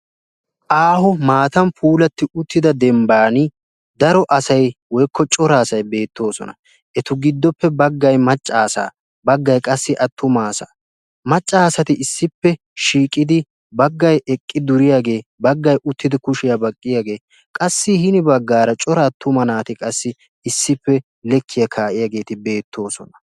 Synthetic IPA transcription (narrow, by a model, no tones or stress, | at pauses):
ʔaːɦʊmaːt̪ɐmpʰuːlɐt̪ːɪʊt̪ːɪd̪ɐd̪ɛmbaːnɪ | d̪ɐɾɔʔɐsɐjwɔjkʰːɔt͡ʃʼɔɾaːsɐjbe̞ːt̪ːo̞ːsɔ̰nɐ̰ | ʔɛt̪ʊɡɪd̪ːɔpːɛbɐɡːɐjmɐt͡ʃʼːaːsa̰ː | bɐɡːɐjkʼɐsːɪʔɐt̪ːʊmaːsa̰ː | mɐt͡ʃʼːaːsɐt̪ɪɪsːɪpːɛ | ʃiːkʼɪd̪ɪ | bɐɡːɐjʔɛkʼːɪd̪ʊɾɪjaːɡe̞ːbɐɡːɐjʔʊt̪ːɪd̪ɪkʊʃɪjabɐkʼːɪjaːɡe̞ː | kʼɐsːɪhɪnɪbɐɡːaːɾɐt͡ʃʼɔɾaːt̪ʰːʊmɐnaːt̪ɪkʼɐsːɪ | ɪsːɪpːɛ | lɛkʰːɪjɐkʰaːʔɪjaːɡe̞ːt̪ɪbe̞ːt̪ʰːo̞ːsɔ̰nɐ̥